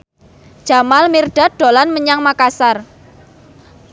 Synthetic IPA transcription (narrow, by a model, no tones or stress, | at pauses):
d͡ʒ̥a̤malmirɖ̥a̤ɖ̪̥o̤lanməɲaŋmakasar